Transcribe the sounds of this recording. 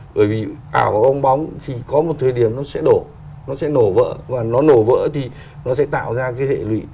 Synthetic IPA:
ɓəː˧˩jvi˨˩ʔaː˧˩wvaː˨˩wʔə˧wŋ͡mɓa˨˦wŋ͡mt̪ʰi˨˩kɔ˨˦mo˨˩t̚t̪ʰəː˨˩jɗi˧˩əmnɔ˨˦sɛ̰˧˥ɗo˧˩ | nɔ˨˦sɛ̰˧˥no˨˧˩və̰ː˧˥vaː˨˩nɔ˨˦no˧˩və̰ː˧˥t̪ʰi˨˩ | nɔ˨˦sɛ̰˧˥t̪a̰ː˧˨wzaː˧kaː˨˦jhḛ˧˨lwḭ˧˨

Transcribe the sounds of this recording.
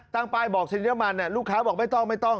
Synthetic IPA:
t̪aː˥˩ŋpaː˥˩jbɔː˨˩k̚sʰe˧njɛ˦˥ma˧nːa˧˥˩luː˥˩kʰːaː˦˥bɔː˨˩k̚ma˥˩jt̪ɔ˥˩ŋma˥˩jt̪ɔ˥˩ŋ

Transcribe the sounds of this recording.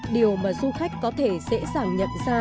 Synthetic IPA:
ɗi˨˩əwmaː˨˩zu˧xa˦˥jk̟̚ʲkɔ˨˦t̪ʰe˧˩sɛ̰˧˥saː˧˩ŋɲə̰˧˨nzaː˧

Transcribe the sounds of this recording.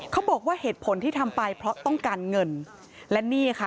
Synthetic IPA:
kʰa˦˥wbɔː˨˩k̚waː˥˩heː˨˩t̪̚pʰo˩˦nt̪ʰiː˥˩t̪ʰa˧mpa˧jpʰɾɔ˦˥t̪ɔ˥˩ŋkaː˧nŋɤ˧n | lɛ˦˥niː˥˩kʰa˦˥˩

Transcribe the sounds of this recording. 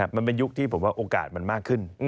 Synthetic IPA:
a˦˥pma˨npe˨˧˩njʊ˦˥k̚t̪ʰiː˧˩pʰo˨˩˦kaː˧ʔoː˧˩ka̰ː˨˩t̚ma˨˩nmaː˥˩kʰɨ˧˩n

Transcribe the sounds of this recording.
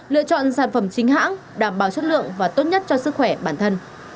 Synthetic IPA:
lɨ̰˧˨ət͡ɕɔ̰˧˨nsaː˧˩nfə˧˩mt͡ɕï˨˦ŋ̟ɦa̰ː˧˥ŋ | ɗaː˧˩mɓaː˨˩wsə˦˥t̚lɨ̰˧˨əŋvaː˨˩t̪o˦˥t̚ɲə˦˥t̚t͡ɕɔ˧sɨ˦˥k̚xwɛ˧˩ɓaː˧˩nt̪ʰə˧n

